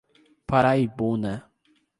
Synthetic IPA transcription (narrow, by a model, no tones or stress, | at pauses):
paɾaibuna